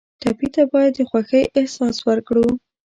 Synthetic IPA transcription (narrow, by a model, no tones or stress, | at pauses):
t̪apit̪abɑjad̪ːəxwaxəjʔɪhsɑswəɾkɽu